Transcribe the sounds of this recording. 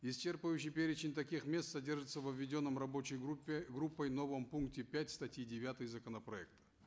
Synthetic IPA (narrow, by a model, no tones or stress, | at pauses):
ɪst͡ɕe̞rpɨvjʉɕ̬ɪjpʲeɾʲɪt͡ɕɪnʲt̪ɐkʲixmʲe̞st̪sɐdʲe̞rʐɨt̪səvəvʲːɪdʲo̞nːəmrɐbo̞t͡ɕɪjɡʲɡɾupːəjno̞vəmpunk̚tʲɪpʲætʲst̪ɐtʲjidʲɪvʲat̪ɨjzəkənəpɾɐɛk̚t̪ə̥